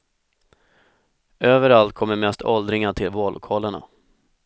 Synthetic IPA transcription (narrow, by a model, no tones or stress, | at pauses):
øːvəɾalt̪̚kʰɔmːəɾmɛst̪ʰɔld̪ɾɪŋaʈʰɪlvoːɭʔʊ̰kʰɑːləɳa̰